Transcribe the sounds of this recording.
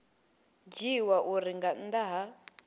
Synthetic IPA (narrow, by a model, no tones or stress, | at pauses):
d͡ʒiwaʔuɾiŋɡand̪aɦa